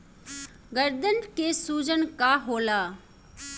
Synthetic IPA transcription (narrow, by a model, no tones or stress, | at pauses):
ɡəɾd̪ənkesuːd͡ʒənkaɦoːlaː